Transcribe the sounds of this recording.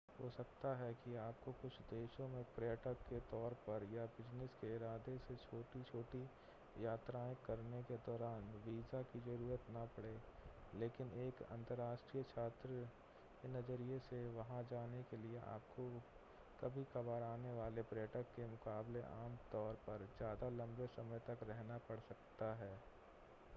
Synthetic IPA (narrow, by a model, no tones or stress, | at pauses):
ɦoːsɐkt̪aɦɛkiaːpkokʊt͡ʃʰd̪eːʃõmẽpɾeəʈəkːet̪ɔːɾpɐɾjabɪd͡ʒnəskeɪɾaːd̪eset͡ʃʰoːʈit͡ʃʰoːʈi | jaːt̪ɾãːẽkɐɾneked̪ɔːɾaːnʋiːzakid͡ʒɐɾuːɾət̪napɐɽeːleːkɪneːkɐ̰̃nt̪əɾːaːʃʈɾiːjət͡ʃʰaːt̪ɾə | kenɐd͡ʒəɾijeseʋɐɦãd͡ʒaːnekelieʔa̰ːp̚ko | kɐbʱikɐbaːɾaːneʋaːlepɾəʈəkːemʊkaːbleʔaːmt̪ɔːɾpɐɾd͡ʒjaːd̪alɐ̃mbesɐməjt̪ɐkɾɛɦnapɐɽsɐkt̪aɦɛː